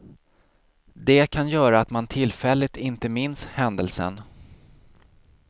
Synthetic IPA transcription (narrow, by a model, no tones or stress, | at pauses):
d̪ɛkʰanjœːɾaːt̪mant̪ʰɪlfɛlːɪt̪ɪnt̪əmɪnshɛnd̪əlsə̰n